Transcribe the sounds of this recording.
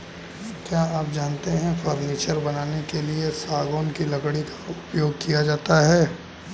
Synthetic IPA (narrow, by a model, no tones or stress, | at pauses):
kjaːaːp̚d͡ʒaːnt̪eɦɛ̃fəɾniːt͡ʃəɾbɐnaːnekeliesaːɡoːnkilɐɡɽikḁʊpjoːɡ̚kijad͡ʒaːt̪aɦɛː